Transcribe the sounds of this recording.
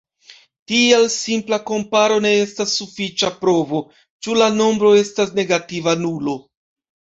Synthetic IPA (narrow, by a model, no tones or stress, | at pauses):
tielsimplako̞mpaɾo̞ne̞e̞stasːufit͡ʃapɾo̞vo̞ | t͡ʃulano̞mbɾo̞e̞stasne̞ɡativanulo̞